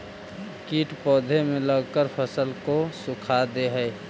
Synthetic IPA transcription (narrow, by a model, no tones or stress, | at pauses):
kiːʈpɔːd̪ʱemẽləɡkəɾpʰəsəlkosʊkʰad̪eɦɛː